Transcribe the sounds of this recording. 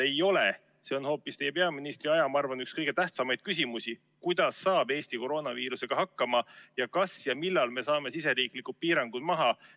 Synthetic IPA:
e̞jo̞le | se̞o̞nho̞ːpːˑist̪e̞jːepeɑminist̪riɑjɑmɑɑrvɑnykskɤjɡ̥e̞t̪æht̪sɑmɑjd̪̥kys̬ʲimusi | kujd̪̥ɑsːɑːb̥e̞ːst̪iko̞ɾo̞ːnɑviːɾuse̞ɡ̥ɑɦɑkːɑmɑjɑkɑsjɑmilːɑlme̞sɑːme̞sise̞ɾiːklikːut̪̚piːɾɑŋɡ̥ud̪̥mɑɦɑ

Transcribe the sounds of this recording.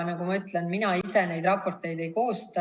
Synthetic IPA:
nɑɡumɑyt̪ˑlenminɑise̞ne̞jd̪rɑpːo̞rt̪e̞jd̪̥e̞jko̞ːst̪ɑ

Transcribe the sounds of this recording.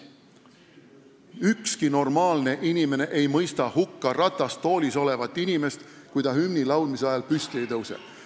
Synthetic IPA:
ykskino̞rmɑːlne̞ʔinime̞ne̞ʔe̞jmɤjst̪ɑhukːɑrɑt̪ːˑɑst̪ːo̞ːlʲiso̞le̞vɑt̪ːˑinime̞st̪ | kujd̪ɑɦymnilɑwlmiseɑjɑlpyst̪ie̞jt̪ɤwsḛ

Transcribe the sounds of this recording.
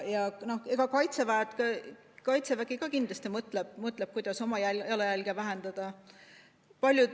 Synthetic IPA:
jɑno̞heɡ̥ɑkɑjt̪sevæet̪kɑ | kɑjt̪sevæɡiɡɑkind̪lɑst̪imɤt̪ˑleb̥̚mɤt̪ˑleb̥̚kujd̪̥ɑso̞mɑjæjɑlejælɡ̥evæɦe̞nd̪̥ɑd̪̥ɑ | pɑlʲju

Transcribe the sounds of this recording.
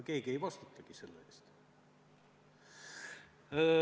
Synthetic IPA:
ke̞ːɡie̞jvɑst̪ut̪ʰˑːɑɡ̥ise̞lːee̞̰ːst̪

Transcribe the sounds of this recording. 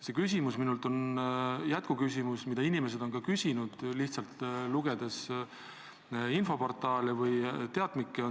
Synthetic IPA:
se̞kys̬ʲimusminult̪o̞njæt̪̚kukys̬ʲimusmid̪ɑinime̞s̬e̞d̪̥o̞nkɑkysʲinud̪̥liht̪sɑlt̪ːˑluɡ̥e̞d̪̥es | info̞po̞rt̪ˑɑːlevɤjt̪e̞ɑd̪̥mikːˑeo

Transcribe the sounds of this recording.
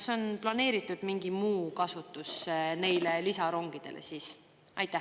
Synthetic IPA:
so̞nplɑne̞ːɾit̪ːˑud̪̥miŋɡ̥imuːkɑsut̪ːˑusne̞jle̞lisɑɾo̞ŋɡ̥id̪̥e̞̰lḛsiːs | ʔɑ̰jt̪ːˑæ

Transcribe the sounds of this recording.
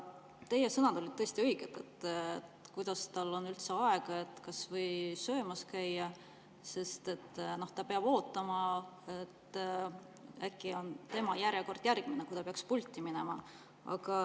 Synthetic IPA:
t̪e̞jesɤnɑd̪o̞lʲit̪ɤe̞st̪iɤiɡ̥et̪ːet̪ːet̪kujd̪̥ɑst̪ɑlːo̞nylt̪seɑe̞ɡ̥ɑe̞t̪ːˑkɑsvɤ̞jsø̞ːmɑskæjːɑ | se̞st̪e̞t̪ːno̞ht̪ɑpe̞ɑb̥o̞ːt̪ːˑɑmɑe̞t̪ː | ækːˑio̞nt̪e̞mɑjæɾjeko̞rd̪̥jærɡ̥minekujt̪ɑpeɑkspulʲt̪ʲːiminemɑ | ɑ̰ɡ̥ɑ

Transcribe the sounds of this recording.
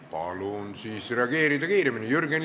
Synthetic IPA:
pɑ̰lunsiːsreɑɡeːɾid̪ɑkiːɾemːinijyrɡen

